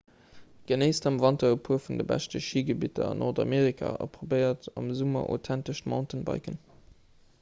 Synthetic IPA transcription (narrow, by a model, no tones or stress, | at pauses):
ɡ̥ənəɪstɑmvɑntɐəpʰuəfundəbæ̰ʃtəʃiːɡəbitɐ̰ɑnʔoʁdɑ̰meːʁikʰa̰ɑ̰pʁobəɪɐtɑmzumɐ̰ʔo̰tʰæntəʃtmɑ̰̃ʊntənbɑ̰ɪkən